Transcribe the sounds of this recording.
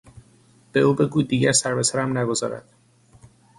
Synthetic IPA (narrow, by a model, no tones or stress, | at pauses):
b̥euːbe̞ɡuːd̪iːɟæɾsæɾbesæɾæmnæɡo̞zɒ̰ːɾæ̰d̪̥